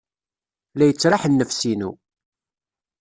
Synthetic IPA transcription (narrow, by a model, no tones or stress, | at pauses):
læjət͡sːɾˤɑħənːəfsinṵ